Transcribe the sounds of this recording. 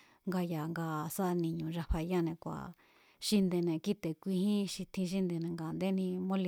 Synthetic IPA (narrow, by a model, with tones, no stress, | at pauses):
ŋɡa˧ja˨ŋɡa˧˨sa˦˧nĩ˨ɲũ˨ʐa˧ɸa˧ja˦˨nẽ˧kʷa̰˨ | ʃi˧nd̪e˧nẽ˧˨ki˦t̪e˨kʷi˧hĩ˦ʃi˧t̪ʰĩ˧ʃ̬i˦nd̪e˧nẽ˨ŋɡaː˨nd̪e˦nĩ˧mõ˦li˧